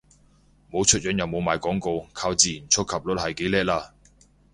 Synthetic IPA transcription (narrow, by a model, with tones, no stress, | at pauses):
mo˨˧wt͡ʃʰɵ˥t̚jœː˨˥njɐ˨wmo˨˧wmaː˨jkɔː˨˥ŋko˧wkʰaː˧wt͡siː˨ji˨˩nt͡sʰʊ˥kʰɐ˨p̚lɔ˨˥t̚hɐ˨jke˨˥jlɛː˥k̚laː˧